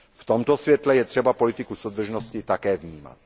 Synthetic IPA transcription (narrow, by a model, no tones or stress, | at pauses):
ft̪omt̪osvjɛt̪lɛjɛt̪r̝̥ɛbapolɪt̪ɪkusowd̪r̩ʒnoscɪt̪akɛːvɲiːma̰t̪̚